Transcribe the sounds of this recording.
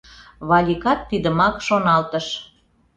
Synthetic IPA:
βɑlʲikɑt̪ːid̪əmɑkʃonɑlt̪əʃ

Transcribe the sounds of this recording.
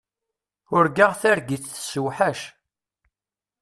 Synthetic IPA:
ʊɾɡaʁθæɾɡiθθsuwħaʃ

